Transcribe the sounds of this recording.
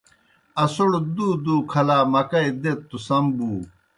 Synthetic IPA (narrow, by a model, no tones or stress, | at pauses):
ɐsoɽd̪uːd̪uːkʰɐlaːmɐkɐid̪et̪ːusɐmbuː